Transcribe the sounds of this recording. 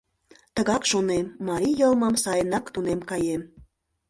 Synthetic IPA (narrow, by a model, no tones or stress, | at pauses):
t̪əɣɑkʃonemːɑɾʲijəlˠməmsɑjənɑkt̪unemkɑjem